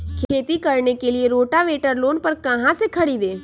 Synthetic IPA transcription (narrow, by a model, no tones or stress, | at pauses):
kʰeːt̪ikɐɾnekelieɾoːʈaʋeːʈəɾloːnpɐɾkɐɦãsekʰɐɽid̪eː